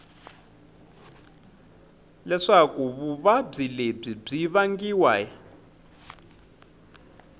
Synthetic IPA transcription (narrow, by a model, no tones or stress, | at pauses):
lɛʂakuβuβab͡ʐileb͡ʐib͡ʐiβaŋɡiwa